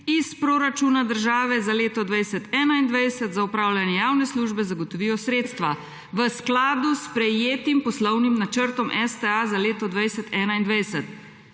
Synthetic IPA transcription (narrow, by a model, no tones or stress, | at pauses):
ispɾoɾat͡ʃuːnad̪əɾʒaːʋɛzaleːt̪ɔd̪ʋajsɛt̪ɛːnaind̪ʋajd̪sət̪zaupɾaːwlʲjanjɛjaːwnɛsluːʒbɛzaɡɔt̪ɔʋiːjɔsɾeːt̪st̪ʋa | ʋəsklaːd̪uspɾɛjeːt̪impɔslɔwnimnat͡ʃəɾt̪ɔmʔɛst̪ɛazaleːt̪ɔd̪ʋajsət̪ɛːnaind̪ʋajsɛt̪̚